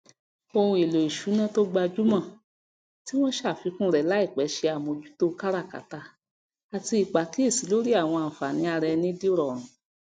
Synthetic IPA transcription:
o˧hũ˧˦e˨lo˨i˨ʃu˨˦nã˦to˦ɡ͡ba˧d͡ʒu˦mã˦˨ | ti˦w̃ɔ̃˦ʃa˦˨fi˨˧˦kũ˦ɾɛ˨la˨˦i˦˨k͡pɛ˨˦ʃe˧a˨mõ˧d͡ʒu̥˦to˦˧ka˦ɾa˦˨ka̰˨ta˧˦ | a˨ti˧i˨k͡pa˨ki˨˦e˦˨si˨˦lo˦ɾi˦a˦˨w̃ɔ̃˧ã˨fa˨nĩ˨˦a˧ɾɛ˧nĩ˦di˦ɾɔ˨ɾ̃ũ˨

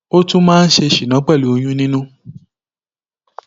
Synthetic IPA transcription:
o˦tũ˦mãː˦n̩˦ʃe˧ʃi˨nã˨˦k͡pɛ˦˨lu˨˦o˧j̃ũ˦nĩ˦nũ˦

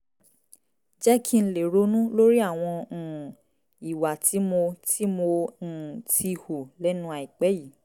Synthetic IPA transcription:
d͡ʒɛ˦kʰi˦˧n̩˦le˨ɾo˨˦nũ˦lo˦ɾi˦a˦˨w̃ɔ̃˧˨ | i˨wa˨tʰi˨˦mo˧tʰi˦mo˧n̩˨tʰi˧hu˨lɛ˦nũ˦a˧i˨k͡pɛ˨˦ji˨

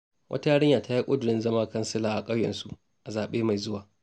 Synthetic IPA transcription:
wʔɐ̰˦ta˦ja˦ɽɪ˦ɲjaː˨ta˦ji˦kʷʼʊ˦dʊ˨ɽɪ˦nzɐ˦maː˦kɐ˦nsɪ˦laː˨ʔa˨kʼɐ˦wjɛ̰˨nsu˦ | ʔa˨zaː˨ɓeː˦ma˨jzʊ˦waː˨

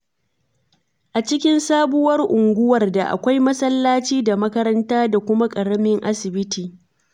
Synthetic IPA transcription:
ʔa˨t͡ʃɪ˦kʲɪ˦nsaː˦bʊ˦wɐ˦rʔʊ˨ŋɡʷʊ˦wɐ˨rda˨ʔa̰˨kʷa˦jmɐ˦sɐ˦lːaː˦t͡ʃiː˦da˨mɐ˦kɐ˦ɾɐ˦ntaː˦da˨kʷʊ˦ma˦kʼɐ˨ɽɐ˦mɪ˦ŋʔa˦sɪ˨bɪ˦tiː˨

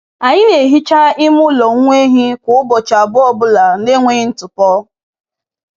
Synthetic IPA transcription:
a˨ɲɪ˦ne˨ɦi˦t͡ʃa˦ɪ˦m˦ʊ˦lɔ˨ŋ˦ŋʷe˦ɦi˦kʷʊ˨ʊ˦bɔ˨t͡ʃa˨a˨bʊ˦ɔ˦bʊ˦la˨ne˦ŋʷe˦n̩˦tʊ˨pɔ˦

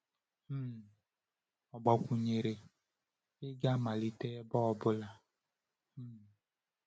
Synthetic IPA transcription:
ɔ˨ɡ͡bɔ˨kʷu˨ɲe˨ɾe˨ | ɪ˦ɡa˦ma˨li˨tɛː˦bɔ˦ɔ˨bʊ˦la˨˦

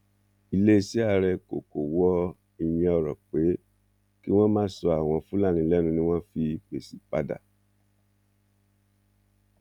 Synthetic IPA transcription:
i˦˧le˦˧si˨˦a˧ɾɛ˧ko˨ko˨wɔ˦ | i˧j̃ɛ̃˧ɔ˧ɾɔ˨k͡pe˨˦ | ki˦w̃ɔ̃˦mãː˦sɔ˧a˨w̃ɔ̃˧fũ˦la˦˨nĩ˧lɛ˦nũ˧nĩ˦w̃ɔ̃˦fi˧pe˨si˨pa˦da̰˦˨

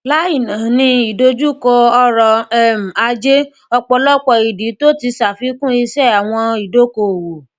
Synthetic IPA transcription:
la˦i˦˨nã˨˦nĩ˧i˨do˦d͡ʒu˦˨kɔ˧ɔ˧ɾɔ˧ɛ˦˨m̩˨a˧d͡ʒe˦ | ɔ˧k͡pɔ˧lɔ˦k͡pɔ˧˨i˨di˨˦to˦ti˧sa˨fi˨˦kũ˦i˧ʃɛ˦˨a˨w̃ɔ̃˧i˨do˦ko˨wo˨

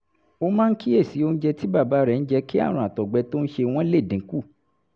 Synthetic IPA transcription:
o˧mã˦n̩˦ki˦e˦˨si˨˦o˧n̩˦d͡ʒɛ˧ti˦ba˦˨ba˨˦ɾɛ˦˨n̩˦d͡ʒɛ˧ki˦a̰˦˨ɾ̃ũ˧˨a˨tɔ˨ɡ͡bɛ˧to˦n̩˦ʃe˧w̃ɔ̃˦le˦˨dĩ˨˦ku˦˨

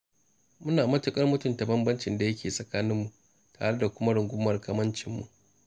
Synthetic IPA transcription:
mʊ˦naː˨mɐ˦tʊ˨kʼɐ˦rmʊ˦tʊ˦˨mta˨bɐ˦mbɐ˦nt͡ʃɪ˨nda˨jɐ˦kʲʰeː˨sʼɐ˨kaː˦nɪ˦mːu˨ʔ | ta̰ː˨ɽe˦da˨kʷʊ˦ma˦ɽʊ˨ŋɡʷʊ˦mːɐ˨rkaː˦mɐ˦nt͡ʃɪ˦mːṵ˨ʔ

